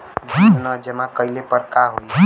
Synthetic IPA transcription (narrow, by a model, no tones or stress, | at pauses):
bʱinad͡ʒəmãkəilepəɾkaɦoj